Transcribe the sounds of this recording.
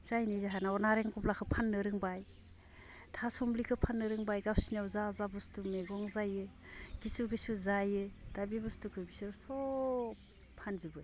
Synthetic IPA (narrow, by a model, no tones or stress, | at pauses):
zajnizaɦanaɔnaɾeŋkɔmplakʰɯpʰanːɯɾɯŋbaj | tʰasɔmlikʰɯpʰanːɯɾɯŋbajɡawsiniawzazabustumeɡɔŋzajɯ | ɡ̥isuɡɯsuzajɯd̥abibɔstukʰɯbisɯɾsɔ | pʰanzubɯ